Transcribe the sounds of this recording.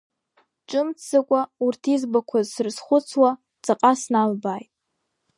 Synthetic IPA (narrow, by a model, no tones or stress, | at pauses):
ʈ͡ʂʼɨmt͡sakʷʼaurtʰizbakʷʰazsɨrsχʷʊt͡sʰwa | t͡sʼaqʼasnalbaːjtʼ